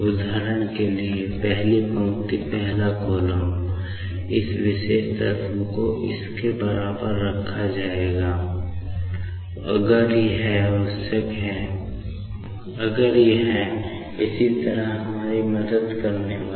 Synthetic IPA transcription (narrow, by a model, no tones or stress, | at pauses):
ʊd̪ʱaːɾəɽ̃keliepɛɦlipə̃ːt̪ipɛɦlakoːlə | ɪswɪʃeːʃt̪ə̰ɾt̪məkoʔɪ̰skebəɾaːbəɾːəkʰːad͡ʒaːeːɡaː | ɐ̰ɡəɾiɦɛʊsəkɦɛː | əɡəɾjeɦɛ | ɪsit̪əɾəɦɦɐmaːɾiməd̪əd̪kəɾneʋa